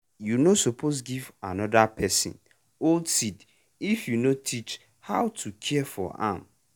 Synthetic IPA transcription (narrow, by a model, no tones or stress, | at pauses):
junosopʰos̬ɡiva̰nɔdapʰɛsḭ̃n | oldsid | ifjunõtʰit͡ʃ | hawtʰukʰɛfɔ̰ã̰m